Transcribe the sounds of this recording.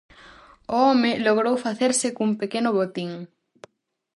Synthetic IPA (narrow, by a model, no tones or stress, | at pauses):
ʊɔmɪloɣɾowfaθeɾsɪkumpekenʊβot̪iŋ